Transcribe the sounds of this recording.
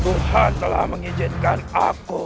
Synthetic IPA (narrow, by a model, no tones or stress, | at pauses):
buhant̪əla̰hməŋid͡ʒinkana̰ku